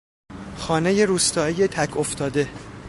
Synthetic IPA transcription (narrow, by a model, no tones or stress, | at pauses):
xɒːneje̞ɾuːst̪ɒːeje̞t̪ʰækʰoft̪ʰɒːd̪e̞